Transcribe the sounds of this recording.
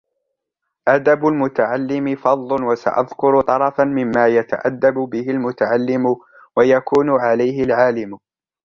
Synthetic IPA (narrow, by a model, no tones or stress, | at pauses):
ʔad̪abʊlmʊt̪aʕalːɪmɪfɑd̪ˤlʊnwasa̰ʔa̰ðkʊɾt̪ˤɑɾˤɑfanmɪmːaːjat̪a̰ʔad̪ːabʊbɪhɪlmʊt̪aʕalːɪmʊ | wajakuːnʊʕalajɦɪlʕaːlɪmʊ